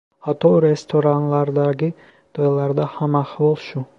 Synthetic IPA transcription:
hat̪ʰːɔɾest̪ʰoɾanlaɾd̪aɡi | d̪̥olaɾd̪ahamaχvɔlˠʃu

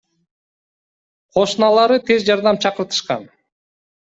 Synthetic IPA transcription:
qʰo̞ʃnɑlˠɑɾɯt̪ʰe̞zd͡ʒɑɾd̪ɑmt͡ʃʰɑqɯɾt̪ɯ̥ʃqɑ̰n

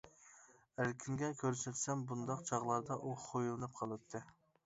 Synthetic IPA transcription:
æɾkʲʰiŋɡʲɛkʲʰøɾset̪sɛmbund̪ɑqt͡ʃʰɑʁlˠɑɾd̪ɑʔuχʰojulˠɨnɨp̚qʰɑlˠɨp̚t̪ʰːɨ

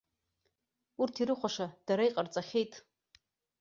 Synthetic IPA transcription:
urtʰiɾɨχʷaʂad̥aɾaiqʼart͡sʼaχʲejtʼ

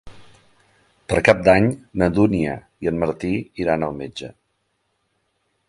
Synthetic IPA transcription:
pəɾkap̚d̪aɲnəd̪uniə̰ | iənməɾt̪iiɾanəlˠmed͡ʒə

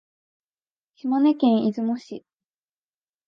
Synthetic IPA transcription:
ɕimanekẽɰ̃izɨmoɕi

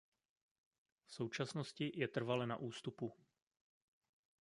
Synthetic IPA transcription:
fso̞wt͡ʃasnoscɪjɛt̪r̩valɛna̰ʔuːst̪upu

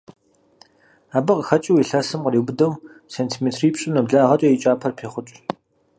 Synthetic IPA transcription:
aːbɐqəxɐt͡ʃʼɪwiɬɐsɨmqəriːbʊdɐw | sentʰimeːtʰriːpɕʼʊnɐbɮaʁɐt͡ʃʼɐjit͡ʃʼaːpʰɐrpʰeːχʷʊt͡ʃʼ

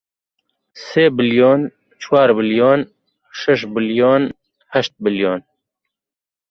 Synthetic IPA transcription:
seːbɪljoːn | t͡ʃʰwɑːɾbɨljoːn | ʃɛʃbɨljoːn | hɛʃt̪̚bɪljoːn

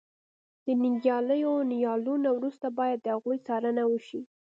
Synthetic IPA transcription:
d̪̥ənɪŋɡjɑləjonijɑlunawɾust̪abɑjad̪ːəhaɣujt͡sɑɾənawəʃi

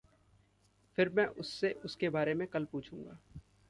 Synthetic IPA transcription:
fɪɾmɛ̃ːʔʊsːeʔʊskebaːɾemẽkɐlpuːt͡ʃʰũːŋɡaː

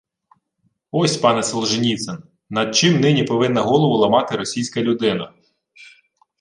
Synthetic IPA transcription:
ɔsʲpɑnɛsɔlˠʒɪnʲit̪sen | nɐd̪̚t͡ʃɪmnɪnʲipɔʋɪnːɐɦɔlˠɔʋʊlˠɐmɑt̪ɪɾɔsʲijsʲkɐlʲʊd̪ɪnɐ̰

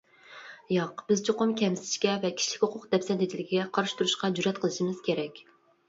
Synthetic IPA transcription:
jɑqb̥ɪzt͡ʃʰoqʊmkʲʰɛmsɪ̥ʃkʲɛvɛkʲʰi̥ʃlɪ̥kʲhoqʰʊqd̪ɛpsɛd̪ɪd̪ɪlɪɡʲiɡʲɛqʰɑɾʃt̪ʰuɾuʃqɑd͡ʒuɾɛt̪̚qʰəlˠɨʃimɪz̥kʲʰeɾɛkʲ

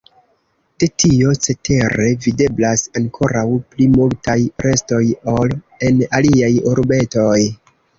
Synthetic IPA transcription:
d̥e̞tʰio̞t͡se̞te̞ɾe̞vide̞blasaŋkʰo̞ɾawplimoltajɾe̞sto̞jo̞l | e̞naliajoɾbe̞to̞j

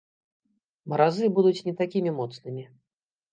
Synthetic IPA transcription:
mɐɾazɨbud̪ut͡sʲnʲɛt̪akʲimʲimɔt̪snɨmʲi

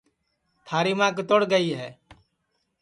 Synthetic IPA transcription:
t̪ʰaːɾiːmãːkt̪oɽɡəiːɦɛː

